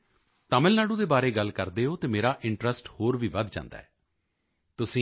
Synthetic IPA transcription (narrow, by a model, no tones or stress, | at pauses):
t̪aːməlnaːɽũːd̪eːbaːɾeːɡəlkəɾd̪eːɦoːt̪eːmeːɾaːʔɪɳʈɾəsʈhoːɾʋiːʋəd̪d͡ʒã̰ːnd̪a̰ːɛː | t̪ʊsĩː